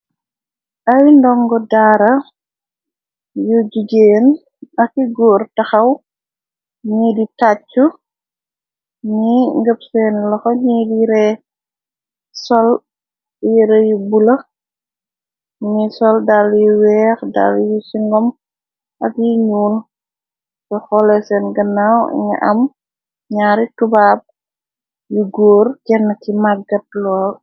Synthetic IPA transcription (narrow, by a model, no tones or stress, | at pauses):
ʔɐwindɔŋɡɔdaːɾɐ | jud͡ʒuɡeːn | ɐkiɡɔːrtaxɐw | ɲiditat͡ʃːu | ɲiŋɡəpsɛːnlɔxɔɲiːdiɾɛ | sɔl | jiɾɛjubulɐ | nisɔldaljuwɛːxda̰ljisiŋɡɔm | ʔɐkjiɲuːl | sɛxɔlɛsɛːnɡɐnawḭŋɐ̰ʔɐ̰m | ɲaːɾitubaːb̚ | juɡoːrkɛnːɐtimaɡɐt̚lɔːl